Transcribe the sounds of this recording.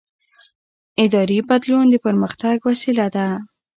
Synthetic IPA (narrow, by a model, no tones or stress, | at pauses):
ɪd̪ɑɾibad̪lund̪əpəɾməxt̪aɡwasilad̪a